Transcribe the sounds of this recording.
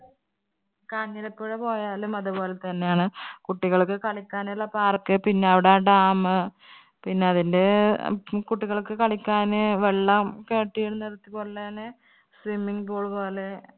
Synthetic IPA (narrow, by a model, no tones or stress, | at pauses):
kɐɲːɐlɐpːoːɻepo̞ːjaːlumɐðubo̞ːle̞t̪ɐnːejaːɳɨkuʈːiɣɐɭkːɨkɐɭikʲːaːnuɭːɐpaːrkɨpinːe̞ɐʋiɽeaːɖaːmɨ | pinːe̞ɐðinde̞ | kuʈːiɣɐɭkːɨkɐɭikʲːaːnɨʋeɭːɐmke̞ːʈːijeɽunːert̪ːikːoɭːɐnɨ | sʋimːiŋpoːɭpo̞ːle̞